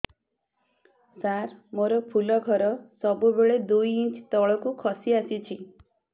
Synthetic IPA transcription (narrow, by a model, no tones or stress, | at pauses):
saɾmoɾɔpʰulɔɡʱɔɾɔsɔbubeɭed̪ujit͡ʃt̪ɔɭɔkukʰɔsiasit͡ʃʰi